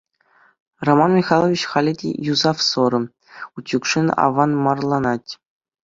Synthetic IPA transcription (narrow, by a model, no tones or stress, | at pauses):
romɑnmʲixɑlˠovʲit͡ɕχɑlʲidʲḛjuzɑfsoɾɤ̆ | utʲjukʂɘnɑ̰ʋɑnmɑrlˠɑnɑtʲ